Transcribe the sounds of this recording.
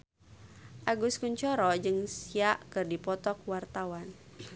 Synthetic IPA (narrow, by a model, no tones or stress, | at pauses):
ʔaɡuskuɲt͡ʃɔɾɔd͡ʒɨŋsiaʔkɨrdipɔt̪ɔkwart̪awan